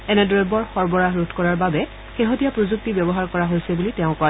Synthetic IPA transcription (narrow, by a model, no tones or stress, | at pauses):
ɛnɛdɔɹɛbɔɹxɔɹbɔɹaɦɹutʰkɔɹaɹbabɛ | xeɦotijapɹozuk̚tibjɔbɔɦaɹkɔɹaɦojsɛbulitɛʊ̃ka